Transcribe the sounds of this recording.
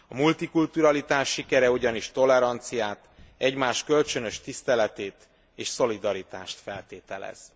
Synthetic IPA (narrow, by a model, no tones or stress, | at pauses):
ɒmult̪ikult̪uɾɒlit̪aːʃːikɛɾɛuɟɒniʃt̪o̞lɛɾɒnt̪sijaːt̪ɛɟmaːʃkø̞lt͡ʃø̞nø̞ʃt̪ist̪ɛlɛt̪eːt̪ | eːʃso̞lid̪ɒɾit̪aːʃt̪fɛlt̪eːt̪ɛlɛ̰z̥